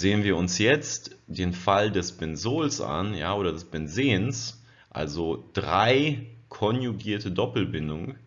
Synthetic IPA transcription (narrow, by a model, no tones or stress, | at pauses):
zeːənviːɐʊnsjɛt͡std̥eːnfaldɛsb̥ɛnzoːlsʔa̰njaːʔoːɾɐdɛsb̥ɛnzeːns | ʔa̰lzod̥ʁaɪkʰɔnjuɡiːɐtədɔpl̩bɪndʊŋ